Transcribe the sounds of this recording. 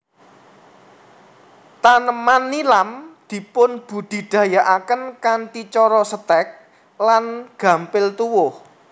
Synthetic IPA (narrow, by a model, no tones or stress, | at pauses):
t̪anəmanːilamd̪̥i̤pʊnb̥ud̪̥i̤ɖ̪̥ä̤jaʔakənkantit͡ʃɔɾɔsət̪ɛk̚ | lanɡ̥ä̤mpɪlt̪uwʊh